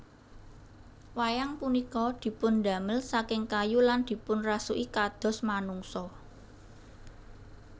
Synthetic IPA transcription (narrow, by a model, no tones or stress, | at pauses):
wajaŋpunikɔd̪̥i̤pʊnd̪ä̤məlsakɪŋkajuland̪̥i̤pʊnrasuʔikad̪̥ɔ̤smanuŋsɔ